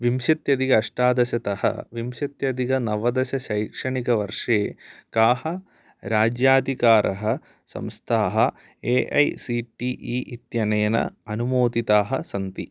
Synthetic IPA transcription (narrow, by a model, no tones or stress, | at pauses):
ʋimʃɐt̪jɐd̪iɡɐːʂʈaːd̪ɐʃɐt̪ɐhɐ̰ʋimʃɐt̪jɐd̪iɡɐnɐʋɐd̪ɐʃɐʃɐjkʂɐɳikɐʋɐɾʂeːkaːhɐ | ɾaːd͡ʒjaːd̪ʱikaːɾʔɐ̰ɦɐ | sɐ̰mst̪ʰaːɦɐ̆ | eːʔɐ̰jsiʈiʔiːʔit̪jɐnɐjɐnɐ̰ɐnumoːt̪it̪aːɦɐ̆sɐnt̪i